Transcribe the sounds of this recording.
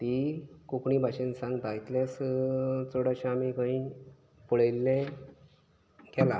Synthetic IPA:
t̪ikukɳiːbʱaɕensãŋɡt̪ait̪ljãs | t͡soɽaɕãːmikãĩ | puɭejlːɛ̃ | ɡɛla̰

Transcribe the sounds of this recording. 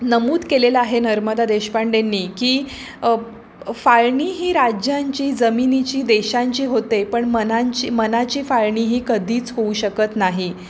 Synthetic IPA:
nəmuːd̪kelelaɦenəɾməd̪ad̪eɕpaɳɖenːiːkiː | faɭɳiɦiːɾad͡ʑjaɲt͡ɕiːd͡zəminit͡ɕiːd̪eɕãɲt͡ɕiːɦot̪epəɳmənaɲt͡ɕiːmənat͡ɕiːfaɭɳiːɦiːkəd̪ʱiːt͡sɦouɕəkət̪naɦi

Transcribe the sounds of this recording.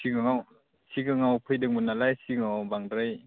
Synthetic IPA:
siɡɯŋaw | siɡɯŋawpʰɯjdɯŋmunalajsiŋawbaŋɾaj

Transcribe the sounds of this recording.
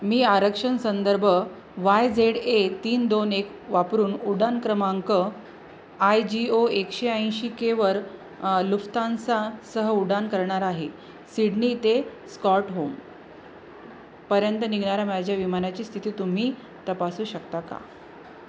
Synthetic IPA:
miːaɾəkʂənsənd̪əɾbʱə | ʋajd͡zeɽet̪iːnd̪onek | ʋapɾuːnuɽankɾəmaŋkə | ajd͡ʑioekɕeãj̃ɕikeʋəɾ | luft̪ãnt͡sasəɦəuɽankəɾɳaɾaɦe | siɽnit̪eskɔʈɦom | pəɾjənt̪əniɡɳaɾamad͡ʑʱjaʋimanat͡ɕiːst̪ʰit̪iːt̪um̤iː | t̪əpasuːɕəkt̪aka̰

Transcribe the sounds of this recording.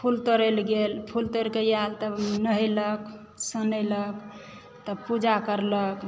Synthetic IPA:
pʰult̪əɾelɡelpʰult̪əɾkejalt̪ənəɦɛlək | sənələk | t̪əpud͡ʒakəɾlək

